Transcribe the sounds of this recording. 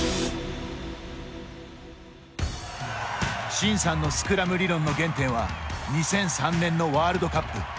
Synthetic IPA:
ɕĩɰ̃sãnːo̞sɨ̥kɯ̟ɾamɯ̟ɾʲiɾõ̞nːo̞ɡẽ̞nt̪ẽɰ̃βaɲ̟isẽ̞ɰ̃sãnːẽ̞nːo̞βaːɾɯ̟d̪o̞kapːɯ̟

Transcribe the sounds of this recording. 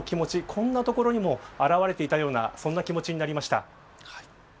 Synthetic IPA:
kʲimo̞t͡ɕikʰõ̞nːat̪o̞ko̞ɾo̞ɲ̟imo̞aɾaβaɾe̞t̪e̞it̪ajo̞ːna̰sõ̞nːakʲimo̞t͡ɕiɲ̟inaɾʲimaɕi̥t̪a̰

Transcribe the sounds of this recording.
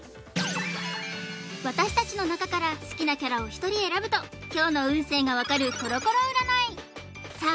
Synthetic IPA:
βat̪aɕi̥t̪at͡ɕino̞nakakaɾasɨ̥kʲinakʲaɾao̞çi̥t̪o̞ɾʲie̞ɾabɯ̟t̪o̞kʲo̞ːno̞ɯ̟̃ɰ̃se̞ːŋɡaβakaɾɯ̟so̞ɾo̞ko̞ɾo̞ɯ̟ɾanai | saː

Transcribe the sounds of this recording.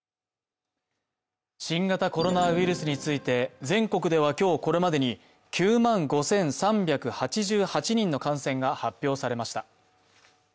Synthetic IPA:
ɕĩŋɡat̪ako̞ɾo̞naɯ̟iɾɯ̟sɨɲ̟it͡sɨit̪e̞zẽ̞ŋko̞kɯ̟d̪e̞βakʲo̞ːko̞ɾe̞mad̪e̞ɲ̟i | kʲʰɨːmãŋɡo̞sẽ̞ɰ̃sãmbʲakɯ̟hat͡ɕiʑɨːhat͡ɕiɲ̟ĩnːo̞kãɰ̃sẽ̞ŋɡahapʲːjo̞ːsaɾe̞maɕi̥t̪a

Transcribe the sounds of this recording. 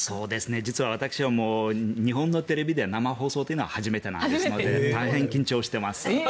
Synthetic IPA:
so̞ːd̪e̞sɨne̞d͡ʑit͡sɨβaβ̞at̪akɯ̟̥ɕiβamo̞ːɲ̟iɦõ̞nːo̞t̪e̞ɾe̞bʲid̪e̞namaɦo̞ːso̞ːt̪o̞ji̟noahaʑime̞t̪enã̰ndsɨnod̪et̪aiɦẽ̞ŋkʲĩɲ̟t͡ɕo̞ːɕi̥t̪e̞masɨ̥

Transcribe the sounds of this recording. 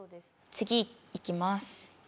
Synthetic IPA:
t͡sɨɡʲiikʲimasɨ̥

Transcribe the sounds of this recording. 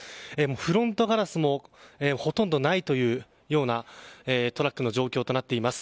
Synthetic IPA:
eːmoːɸɯ̟ɾõ̞nt̪o̞ɡaɾasɨmo̞eːoho̞t̪ond̪o̞nait̪o̞jɯ̟ː | jo̞ːnaeːt̪o̞ɾakːɯ̟no̞ʑo̞ːkʲo̞ːt̪o̞nat̪ːe̞imasɨ̥

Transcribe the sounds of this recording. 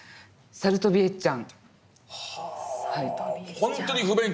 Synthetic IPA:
saɾɯ̟t̪o̞bʲiet͡ɕãŋ | haihõnt̪oɲiɸɯbẽn

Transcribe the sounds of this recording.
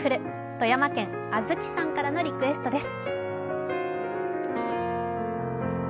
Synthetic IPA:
ɯ̟ɾɯ̟ | t̪o̞jamakẽ̞ŋ | azɨkʲi̥sãŋkaɾano̞ɾʲikɯ̟e̞sɨ̥t̪o̞d̪e̞sɨ̥

